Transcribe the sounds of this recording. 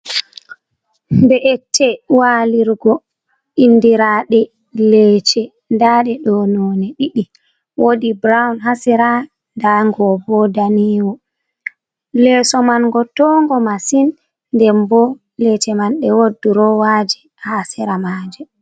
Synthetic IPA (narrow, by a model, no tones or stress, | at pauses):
bɛʔɛtːɛwaliɾɡɔ | indiɾaɗɛ | lɛt͡ʃɛ | ndaɗɛɗɔnɔnɛɗiɗi | wodibɾawnɦasɛɾa | ndaŋɡɔbɔdaniwɔ | lɛsɔmanɡɔtɔŋɡɔmasinː | dɛmbɔ | lɛt͡ʃɛmanɗɛwodːuɾɔwad͡ʒɛ | hasɛɾamad͡ʒɛ